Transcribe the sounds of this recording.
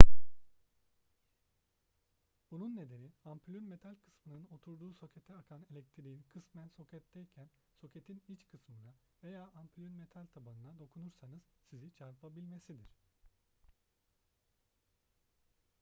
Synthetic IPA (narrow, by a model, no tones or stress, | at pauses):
b̥ununːe̞d̪e̞niampʰylʲynme̞t̪ʰalʲkʰɯ̥smɯnɯno̞t̪ʰuɾd̪uːso̞cʰe̞t̪ʰɛakʰanelʲɛc̚t̪ʰiɾiinkʰɯsmænso̞cʰɛt̪ʰːɛjcʰæn | so̞cʰe̞t̪ʰinit͡ʃkʰɯsmɯna | ve̞jaːʔampʰylʲynme̞t̪ʰalʲt̪ʰabanɯnad̪o̞kʰunuɾsanɯz̥sizit͡ʃʰaɾpʰabilʲme̞sid̪iɾ̝̥